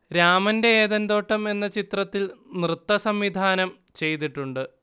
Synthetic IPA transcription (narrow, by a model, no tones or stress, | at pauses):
ɾaːmɐnde̞ːðɐnd̪o̞ːʈːɐme̞nːɐt͡ɕit̪rɐt̪ːilnrɨt̪ːɐsɐmʋid̪ʱaːnɐm | t͡ɕe̞jt̪̬iʈːuɳɖɨ